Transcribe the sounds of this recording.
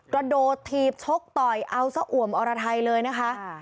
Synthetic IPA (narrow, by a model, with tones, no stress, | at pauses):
kɾa˧doː˨˩t̪ʰːiː˧˩p̚t͡ɕʰo˦˥k̚t̪ɔ˨˩jʔa˧wsa˧ʔu˨˩˦əmʔɔː˧ɾa˧t̪ʰa˧jlɤː˧jna˦˥kʰa˦˥ʔ